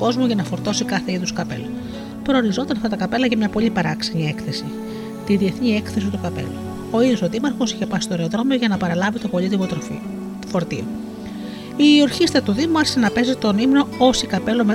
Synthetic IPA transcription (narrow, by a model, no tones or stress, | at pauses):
uko̞zmuʝɐnɐfo̞ɾt̪o̞sikɐθe̞iðuskɐpe̞̰lɐ | pɾo̞ːɾizo̞t̪ɐnɐft̪ɐt̪ɐkɐpe̞lɐʝɐmɲɐpo̞ʎipɐɾɐksɐɲie̞kθe̞si | t̪iðie̞θnie̞kθe̞sit̪ukɐpe̞̰lu | o̞iðosoðimɐɾxo̞siçe̞pɐsi̥st̪o̞eɾeoðɾo̞meo̞ʝɐnɐpɐɾɐlɐvit̪opo̞ʎit̪ivot̪ɾ | fo̞ɾt̪ḭo | io̞ɾçist̪ɐt̪uðimuɐɾçʲisenɐpe̞zit̪o̞nimno̞o̞sikɐpe̞lo̞me